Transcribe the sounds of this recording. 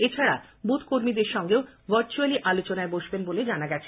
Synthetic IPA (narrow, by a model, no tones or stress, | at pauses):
et͡ɕʰaɽabut̪ʰkoɾmid̪eɾʃɔŋɡeovəɾt͡ɕualiʔalot͡ɕonaeboʃbenboled͡ʑanaɡɛt͡ɕʰe